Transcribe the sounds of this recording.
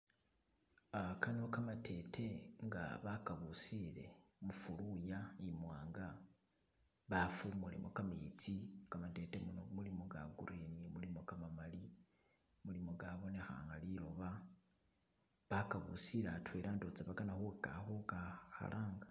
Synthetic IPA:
akanokamatʰe̞tʰe̞ŋɡa̰βakaβusile̞̰mufulujaimwaːŋɡa | βafumulḭmʔokamit͡sikamate̞teunomulimoɡa̰ɡṵɾinimulimokamamali | mulimoɡaβo̞ne̞xa̰ŋɡalilo̞βa | βakaβṵsiɾatʰweɾaːndot͡saβaɡanaxukaxokaxa̰lʔaːŋɡa

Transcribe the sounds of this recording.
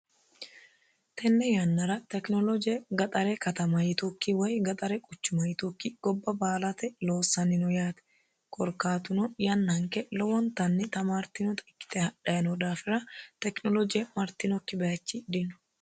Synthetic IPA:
t̪ʰɛnːɛjɐnːɐɾɐt̪ɛknɔlɔd͡ʒɪjɛɡɐt̪ʼɐɾɛkɐt̪ɐmɐjɪt̪ukːiwɔjɡɐt̪ʼɐɾɛkʼʊt͡ʃːʊmɐjɪt̪ukːiɡ̥ɔbːɐbaːlɐt̪ɛlo̞ːsːɐnɪnʊjaːt̪ɛ̥ | kʼɔɾkaːt̪ʊnɔjɐnːɐɐŋkɛlɔwɔnt̪ɐnːɛt̪ɐmaːɾt̪ɪnɔt̪ɪkːɪ̥t̪ɛhɐᶑɐjɐnɔd̪aːfɪɾɐt̪ɛknɔlɔd͡ʒɪɛmɐɾt̪ɪnɔkːɪbɛjɐt͡ʃːid̪ɪnʊ̥

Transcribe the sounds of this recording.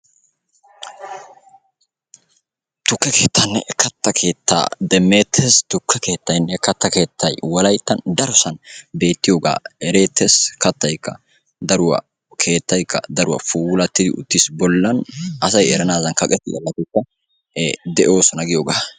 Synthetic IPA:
t̪ʊkːɛke̞ːt̪ʰːɐnːɛ̰ʔkːɐt̪ːɐkʰe̞ːt̪ʰːa̰ːd̪ɛmːe̞ːt̪ʰːest̪ʊkːɛke̞ːt̪ːɐjnːɛkːɐt̪ːɐke̞ːt̪ʰːɐjwɐlɐjt̪ːɐnd̪ɐɾʊsɐnbe̞ːt̪ːɪjoːɡa̰ːɛɾe̞ːt̪ːeskɐt̪ːɐjkːɐ̰ | d̪ɐɾʊwɐ̰ | kʰe̞ːt̪ːɐjkːɐ̰d̪ɐɾʊwɐ̰fuːlɐt̪ːɪd̪ɪʊ̰t̪ːɪsbɔlːɐnʔɐsɐjɛɾɐnaːzɐnkɐkʼɛt̪ːɪ̰ɐ̰lːɐt̪ɪkːɐ | d̪ɛʔo̞ːsɔnɐɡɪjoːɡaː

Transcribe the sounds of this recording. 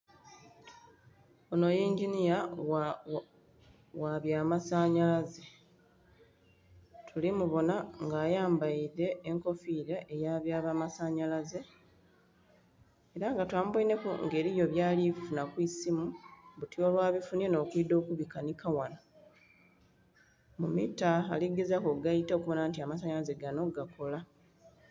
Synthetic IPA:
ono̞jiːɲɟinija | waβjaːmasaːɲalaze | tʰulimuβo̞naŋɡaːjaːmbaiðe̞ːŋko̞fiɾeʔejaːβjaːβamasaːɲalaze̞ | ɾaŋɡatwaːmuboine̞kuŋɡe̞ːɾijo̞βjaːlifunakwisimuβutiolwaːβifunieno̞ːkwido̞ːkuβikanikawana | mumita̰ːliɡe̞zakoɡajito̞kuβo̞naːntiamasaɲalaze̞ɡano̞ɡakʰo̞la

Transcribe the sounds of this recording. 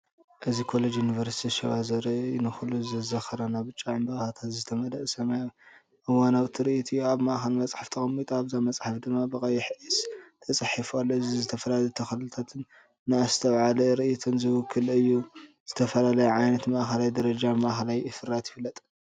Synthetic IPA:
ʔɨzikʰo̞lod͡ʒjunivɐɾsi̥t̪ʰiʃɐwazɐɾɐnɨxuluzɨzɐxɐɾɐnaβɨt͡ʃʼːaʕɨmbɐxat̪ʰat̪zɨt̪ʰɐmɐd̪ɐʔsɐmajo | ʔɨwːanawt̪ʰiɾɨʔit̪ʰiaβmaʔxɐlmɐt͡sʼħaft̪ʰɨxɐmit̪ʼaβzamɐt͡sʼħafd̪ɨmːabɨkʼɐjɛħɨist̪ʰɐt͡sʼɨħifalːoɨzizɨt̪ʰɐfɐlalɐjt̪ʰɐxɐlɨɨt̪ʰat̪ʰɨnː | ɨast̪ʰɐβʕalɐɾɨʔit̪ʰonzɨwʊkʰːɨlɨjːu | z̥ɨt̪ʰɐfɐlalɐjɛʕajnɐt̪mɐʔxɐlajd̪ɐɾɐd͡ʒamaʔxɐlajɨfɨɾat̪jɪfɨlːɐt̪ʼ

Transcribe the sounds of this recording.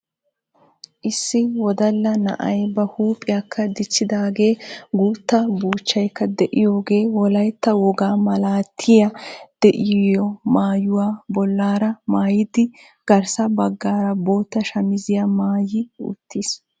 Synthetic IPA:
ʔɪsːɪwɔd̪ɐlːɐnɐ̰ʔɐjbɐhuːpʼːɪjakʰːɐd̪ɪt͡ʃːɪd̪aːɡe̞ːɡuːt̪ːɐbuːt͡ʃːɐjkːɐd̪ɛʔɪjo̞ːɡe̞ːwɔlɐjt̪ːɐwɔɡaːmɐlaːt̪ʰːɪjɐd̪̥ɛʔɪjɔmaːjʊwaːbɔlːaːɾɐmaːjɪd̪ɪ | ɡ̥ɐɾsɐbɐɡːaːɾɐbo̞ːt̪ːɐʃɐmɪzɪjamaːjɪʊ̰t̪ʰːis

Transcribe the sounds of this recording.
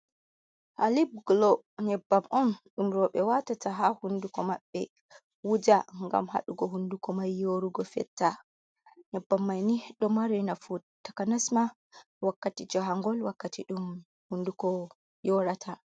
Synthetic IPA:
halib̚ɡlɔ | ɲɛbːamʔɔnɗumɾɔɓɛwatatʰaɦahundukɔmaɓːɛ̰ | wud͡ʒaŋɡa̰mha̰ɗuɡɔɦundukɔmajːoɾuɡɔfɛ̰tːa | ɲɛbːamːajniɗɔmaɾɛnafutːakanasma | wakːatid͡ʒɔɦaŋɡɔlwakːatiɗum | hundukɔ | jɔɾatʰa

